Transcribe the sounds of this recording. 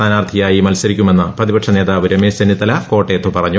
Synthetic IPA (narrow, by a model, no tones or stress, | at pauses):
aːnaːrt̪ʰijaːjimɐlsɐɾikʲːume̞nːɨprɐðibɐʈʂɐne̞ːðaːʋuɾemeːsɐnit̪ːɐlɐko̞ːʈːeːt̪ːupɐrɐɲːu